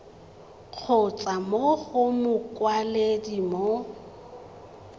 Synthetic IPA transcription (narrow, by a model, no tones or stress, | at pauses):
q͡χʰʊt͡sʼamoɣʊmʊkʼwaledimo